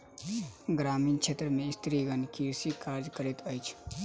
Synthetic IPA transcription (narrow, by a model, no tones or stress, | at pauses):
ɡɾaːmiːnkʃʰeːt̪ɾəmẽɪst̪ʰɾiɡənkiɾsikaːɾd͡ʒkəɾɪt̪əɪt͡ʃʰ